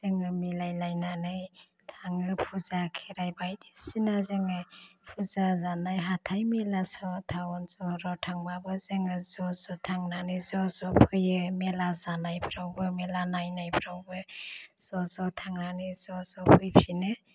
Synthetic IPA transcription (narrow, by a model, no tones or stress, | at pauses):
z̥ɯŋɯmilajlajnanɯj | tʰaŋɯpʰuzakʰeɾajbajdi̥sinazɯŋɯpʰuzazanajɦatʰajmilasɔtʰawɔnzɔɾɔtʰaŋbabɯzɯŋɯzɔzɔtʰaŋnanɯzɔzɔpʰɯjɯmelazanajbʰɾawbɯmelanajnajbʰɾawbɯz̥ɔzɔtʰaŋnanɯzɔzɔpʰɯjpʰinɯ